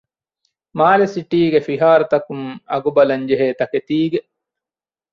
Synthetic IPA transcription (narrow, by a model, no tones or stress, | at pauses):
maːlesiʈiːɡefiɦaːɾut̪ɐkuŋɐ̰ɡubɐlɐɲd͡ʒeɦeːt̪ɐket̪iːɡe